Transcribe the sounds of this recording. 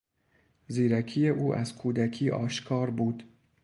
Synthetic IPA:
ziːɾækʰiːjeʔuːʔæzkʰuːd̪ækʰiːʔɒ̰ːʃkʰɒːɾbuːd̪̥

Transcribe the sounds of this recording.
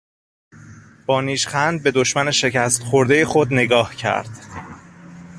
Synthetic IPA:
b̥ɒːniːʃxænd̪̚be̞d̪oʃmæne̞ʃe̞cʰæst̪xoɾd̪ejexod̪neɡɒːhcʰæ̰ɾd̪̥

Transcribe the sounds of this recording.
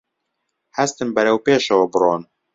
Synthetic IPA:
hæst̪ɨmbɛɾɛwpeːʃɛwɐbɨɾoːn

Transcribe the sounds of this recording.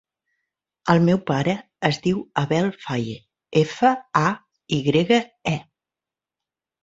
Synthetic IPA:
əlˠmɛwpaɾəː | zðiwəβɛlˠfaje | efəa | iɣɾeɣəɛ

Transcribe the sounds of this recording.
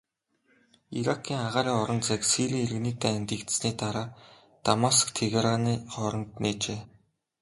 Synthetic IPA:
iɾakʰːiːŋaʁaːɾiːŋɔɾɞ̆nt͡sæksiɮiːeɾ̆ɣniːt̪æːænt̪iːkt̪sniːt̪aɾaː | t̪amaskt̪ʰeɣeɾaniːχɔɾɞ̆nt̪neːt͡ɕeː

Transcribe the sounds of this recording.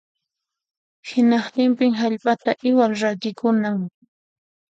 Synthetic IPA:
hɪnɑχt̪ɪmpɪŋɦaʎpat̪aʔɪwalɾat̪ɪkʊnaŋ

